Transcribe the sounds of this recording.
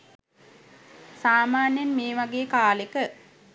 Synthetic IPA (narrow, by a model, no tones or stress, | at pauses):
saːmaːnjenmeːʋaɡeːkaːlekə